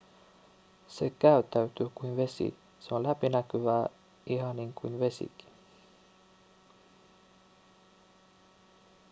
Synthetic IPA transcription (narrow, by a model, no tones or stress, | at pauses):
se̞kæyt̪ːæyt̪yːkuinʋe̞sḭ | seonlæpinækyʋæː | ihɑniŋkuinʋe̞sḭki̥n